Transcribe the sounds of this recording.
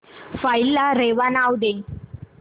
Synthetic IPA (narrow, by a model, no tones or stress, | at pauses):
failːaɾeʋanawd̪e